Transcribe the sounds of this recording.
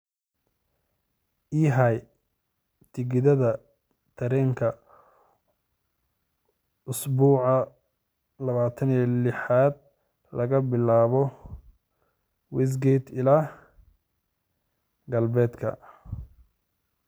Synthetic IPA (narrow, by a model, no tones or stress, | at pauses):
ʔiːɦaj | t̪ʰɪɡɪðɐðɐ | t̪ʰɐɾɛːŋkʰɐ | ʊsbuːʕɑ | lɐβaːt̪ʰɐnijlɪħaːd̪̚ | lɐɣɐbɪlaːβɔ | wɛs̬ɡɛjt̪ʰɪlaː | ɡɐlbɛːd̪kʰɐ̰